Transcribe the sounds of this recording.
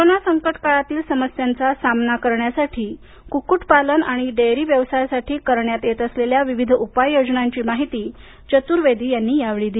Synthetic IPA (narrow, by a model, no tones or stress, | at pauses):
kooɾonasəŋkəʈkaɭat̪iːlsəməsjant͡sasamnakəɾɳjasaʈʰiː | kukuʈpalənaɽ̃iɖeɾiːʋjəʋsajsaʈiːkəɾɳjat̪jet̪əsleljaʋiʋid̪ʱupajjod͡znaɲt͡ɕiːmaɦit̪iː | t͡ɕət̪uːɾʋed̪ʱiːjanːiːjaʋɭiːd̪i